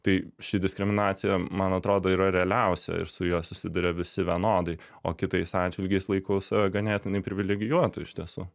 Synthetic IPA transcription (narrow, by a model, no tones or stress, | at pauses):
t̪ɐɪʃʲɪdʲɪsʲkɾʲɪmʲɪnɑːt̪sʲɪjɛmɐnɐt̪ɾoːd̪oːiːɾɐɾʲɛɐlʲɛʊsʲɛ̰ɪ̰ɾsʊjuːsʊsʲɪd̪ʊɾʲɛʋʲɪsʲɪʋʲiɛnoːd̪ɐɪ | oːkʲɪt̪ɐɪsɑːd͡ʒʲʋʲɪlʲɡʲɛɪslˠɐɪkɐʊsɐʋʲɛɡɐnʲæːt̪ʲɪnɐɪpʲɾʲɪʋʲɪlʲɛɡʲɪjuɔt̪ʊɪʃʲt̪ʲiɛsṵ